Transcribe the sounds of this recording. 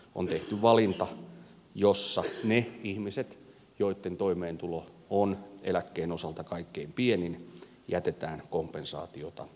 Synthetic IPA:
o̰nt̪eht̪yʋʋɑlint̪ɑ | josːɑneihmiset̪ | joit̪ːent̪oimeːnt̪ulo | onḛlækːeːnosɑlt̪ɑkɑikːeimpienin | jæt̪et̪æːnkompˑensɑ̰ːt̪iot̪ɑ̰

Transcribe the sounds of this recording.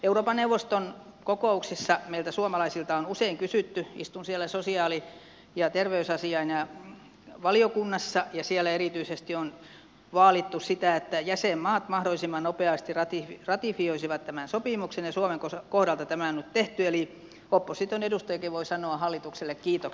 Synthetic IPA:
euroːpɑneuʋost̪onkokouksisːɑmeilt̪æsuomɑlɑisilt̪ɑonuseiŋkysyt̪ːyḭst̪unsiælːˑæsosiɑːli | jɑt̪erʋeysɑsiɑinjɑ | ʋɑliokunːɑsːɑjɑsiɛlːæeɾit̪yisest̪ion | ʋɑːlit̪ːussit̪æet̪ːæjæsemmɑːt̪mɑhdolːˑisimːɑnnopeɑst̪irɑt̪iirɑt̪ifioisiʋɑt̪t̪æmænsopimuksenjɑsuomeŋkokohɾɑlt̪ɑt̪æmæˑonyt̪t̪eht̪yeli | hopːosit̪onedust̪ɑjɑkiʋʋoisɑnoɑhɑlːit̪ukselːekkiːt̪ok

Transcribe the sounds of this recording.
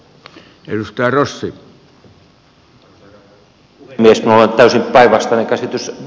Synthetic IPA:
edust̪ɑjɑrosːi | miesminolent̪æysimpæˑiʋɑst̪ɑnekæsit̪ys

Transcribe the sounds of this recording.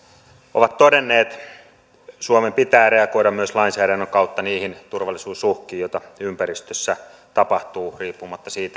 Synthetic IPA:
ʔoʋɑt̪t̪odenːeːt̪ | suomempit̪æːɾeɑkoiɾɑmmyøslɑinsæːdænːøŋkɑut̪ːɑniːhint̪urʋɑlːˑisuːsuhkiːjojt̪ɑympæɾist̪øsːæ | t̪ɑpɑht̪uːriːpːumɑt̪ːɑsiːt̪æ

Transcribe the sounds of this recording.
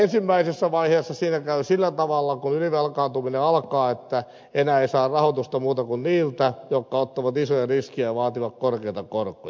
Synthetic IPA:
ensimːæisesːæʋɑiheːsːɑsiːnækæysilːæt̪ɑʋɑlːɑkunyliʋelkɑːnt̪umineɑlkɑːet̪ːæ | enæːeisɑːrɑhot̪ust̪ɑmuːt̪ɑkunniːlt̪æjokːɑot̪ːɑʋɑt̪isojɑriskiæʋɑːt̪iʋɑkkorkeit̪ɑkorkojɑ

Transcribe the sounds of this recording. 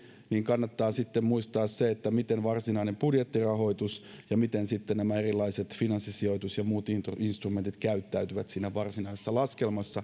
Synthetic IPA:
niːŋkɑnːɑt̪ːɑːsit̪ːemmuist̪ɑːsseet̪ːæmit̪enʋɑrsinɑinempudjet̪ːirɑɦo̞it̪us | jɑmit̪ensit̪ːenæmæerilːˑɑiset̪finɑnsːisioit̪usjɑmuːt̪int̪rinst̪rume̞nt̪it̪kæyt̪ːæyt̪yʋæt̪siːnæʋɑrsinɑisesːɑlɑske̞lmɑsːɑ

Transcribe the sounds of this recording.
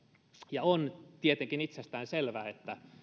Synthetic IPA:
jɑont̪iet̪eŋkinit̪sest̪æːnselʋæːet̪ːæ

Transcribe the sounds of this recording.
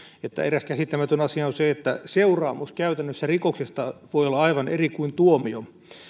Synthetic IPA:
et̪ːæ̰eræskæsit̪ːæmæt̪ønɑsiɑonseet̪ːæseurɑːmuskæyt̪ænːøsːærikoksest̪ɑʋoijolːɑɑiʋɑnerikuint̪uomio

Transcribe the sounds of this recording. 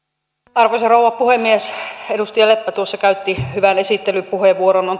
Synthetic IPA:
ɑrʋoseroˑuɑppuhemːiesedust̪ijɑlepːæt̪uosːɑkæyt̪ːihyʋænesit̪ːelypuheʋːuoɾonon

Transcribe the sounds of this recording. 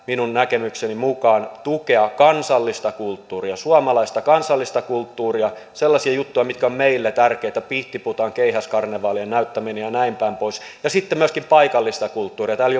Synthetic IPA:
minunnækemyksenimukɑːnt̪ukeɑkɑnsɑlːist̪ɑkult̪ːuːriɑsuɑmɑlɑist̪ɑkɑnsɑlːist̪ɑkult̪ːuːriɑselːɑsiɑjut̪ːujɑmit̪kæommeilːet̪ærkeit̪æpiht̪iput̪ɑŋkeihæskɑrneʋɑːliennæyt̪ːæminejɑnæimpæimpoisjɑsit̪ːemyøskimpɑikɑlːist̪ɑkult̪ːuːriɑt̪æːlj

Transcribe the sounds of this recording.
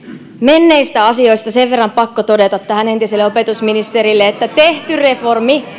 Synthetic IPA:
me̞nːe̞ist̪æɑsio̞ist̪ɑse̞ʋʋerːɑmpɑkːot̪o̞de̞t̪ɑt̪ːæhæne̞nt̪iselːeo̞pe̞t̪usminist̪eɾilːeet̪ːæt̪e̞ht̪yre̞fo̞rmi

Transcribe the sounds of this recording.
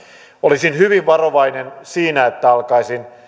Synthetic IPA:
olisinhyʋiʋʋɑroʋɑinensiːnæet̪ːæɑlkɑisin

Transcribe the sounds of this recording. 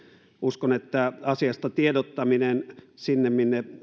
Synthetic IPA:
uskonet̪ːæɑsiɑst̪ɑt̪iedot̪ːɑminensinːemminːe

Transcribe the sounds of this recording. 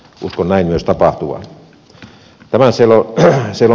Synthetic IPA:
ʔṵskonnæinmyøst̪ɑpɑht̪uʋɑ̰n | t̪æmæsielosielo

